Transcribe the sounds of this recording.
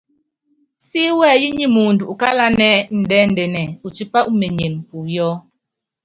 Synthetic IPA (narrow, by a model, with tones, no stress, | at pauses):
si˦wɛː˦˨ji˦ɲi˦mu˨n˨du˨u˨ka˦la˦nɛ˦n̩˨dɛ˦n̩˨dɛ˨nɛ˨u˨t͡ʃi˦pa˦ʔu˦me˨ɲe˨ŋ˨pu˨jɔ˦